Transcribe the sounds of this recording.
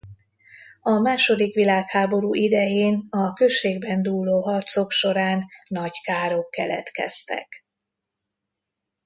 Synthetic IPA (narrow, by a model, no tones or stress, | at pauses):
ɒmaːʃo̞d̪ikʋilaːkhaːbo̞ɾuːʔid̪ɛjeːnɒkøʃːeːɡbɛnd̪uːlːoːɦɒrt̪so̞kʃo̞ɾaːnːɒɟkaːɾokːɛlɛ̰t̪kɛ̰st̪ɛ̰k